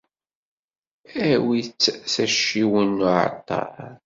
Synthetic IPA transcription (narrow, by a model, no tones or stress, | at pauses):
æwit͡sːθæʃːiwənːuʕa̰t̪ːɑ̰ɾˤ